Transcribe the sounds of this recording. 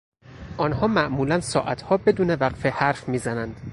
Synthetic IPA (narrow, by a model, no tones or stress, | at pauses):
ʔɒːnhɒːmæʔmuːlænsɒ̰ːʔæt̪ʰhɒːbe̞d̪uːnevæqfehæɾfmiːzænænd̪̥